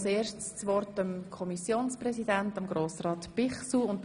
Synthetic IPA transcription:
seːɾʃtst͡sʋɔrtəmkʰɔmisjoːnsprɛsidɛntəmɡɾoːsrɑːt̪pɪχsuʊnt

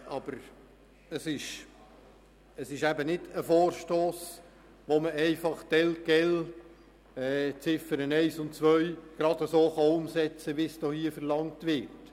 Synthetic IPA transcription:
ɑb̥əɾ | əsɪʃ | əsɪʃæbənɪdəfoːɾʃtoːs | ʋoməɛɪfɑχtɛlɡ̥ɛl | ɛːt͡sɪfəɾənɛɪsʊntt͡sʋœʏɡ̥ɾɑdəsoːχɑʊmsɛt͡səʋisd̥ɔhiːəfəɾlɑŋtʋɪrt

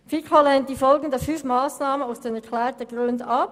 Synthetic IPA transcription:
fikʰolɛnt̚d̥iːfɔlɡn̩deːɐfynfmaːsnaːmənaʊsd̥eːnɛɐkʰlɛːtəɡʁøndəɑp̚

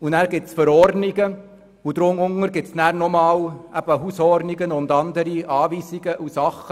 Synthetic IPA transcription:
unæːɾɡ̥ɪtsfəɾɔɾdniɡə | ud̥̪ɾʊmʊŋəɾɡɪtsnæːɾnɔmɑːwæb̥əɦuːsɔɾdniɡənʊnd̪ɑnd̪əɾiʔɑːviːsiɡəʔusɑχːə

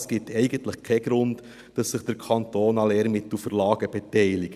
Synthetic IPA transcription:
sɡ̥ɪtʰɛɪɡ̥əntləχkʰɛɡ̥ɾʊnt | d̥ɑsːɪχd̥əɾkʰɑntoːnɑleːɾmɪtl̩fəɾlɑːɡ̥əb̥ɛtɛɪlɪɡ

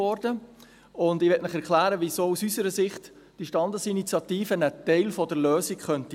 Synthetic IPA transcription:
ɔɾd̥ə | ʊndɪʋɛtmɪχɛɾkʰlæːɾəʋisoːusysəɾəsɪχt | d̥iʃtɑnd̪əsinit͡sjɑt̪iːfənət̪ɛɪlfɔdəɾløːsikχœnti

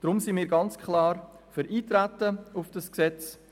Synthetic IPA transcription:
d̥ɾʊmsimiːɾɡɑnt͡skχlɑːɾ | fəɾiːt̪ɾætəʊfd̥ɑsksɛt͡s

